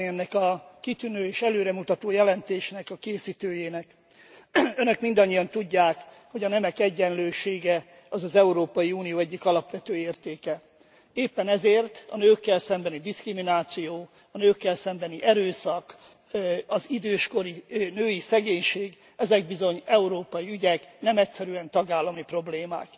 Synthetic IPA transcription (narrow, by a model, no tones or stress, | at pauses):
ɛnːɛkɒkit̪ynøːeːʃɛløːɾɛmut̪ɒt̪oːjɛlɛnt̪eːʃnɛkɒkeːsit̪øːjeːnɛk | ønø̞kmind̪ɒɲːijɒnt̪uɟːaːkho̞ɟɒnɛmɛkɛɟːɛnløːʃeːɡɛ | ɒzɒzɛuɾoːpɒjiunijoːɛɟːikɒlɒpʋɛt̪øːeːrt̪eːkɛ | eːpːɛnɛzeːrt̪ɒ̰nøːkːɛlsɛmbɛnid̪iskriminaːt̪sijoː | ɒnøːkːɛlsɛmbɛniʔɛɾøːsɒk | ɒzid̪øːʃko̞ɾinøːjisɛɡeːɲʃeːɡ | ɛzɛɡ̚bizo̞ɲɛuɾoːpɒjiyɟɛknɛmɛcsɛɾyɛnt̪ɒɡaːlːɒmipro̞bleːma̰ːk